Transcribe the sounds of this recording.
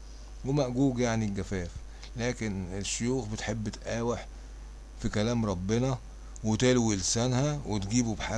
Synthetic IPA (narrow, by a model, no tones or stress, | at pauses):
wemæʔɡuːɡjaʕniɡæfæːf | læːkeneʃːojuːxbet̪ħebːet̪ʔæːweħ | fikælæːmɾˤɑbːenæ | wet̪elwilsænhæwet̪ɡiːbubħa